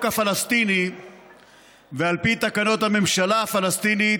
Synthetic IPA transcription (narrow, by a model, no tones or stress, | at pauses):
kafalast̪ini | vealpit̪akano̞t̪hame̞mʃalaafalast̪ini